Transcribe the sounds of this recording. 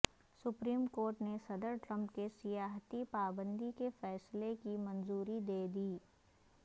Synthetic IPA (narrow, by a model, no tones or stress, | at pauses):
sʊpɾiːmkoːɾʈnesɐd̪əɾʈɾə̃mpkesɪjaːɦt̪ipaːbə̃nd̪ikefɛːslekimɐnzuːɾid̪eːd̪iː